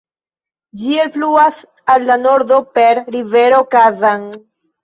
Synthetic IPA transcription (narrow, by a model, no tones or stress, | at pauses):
d͡ʒienfluas | alːano̞ɾd̪o̞pe̞ɾɾive̞ɾo̞kazan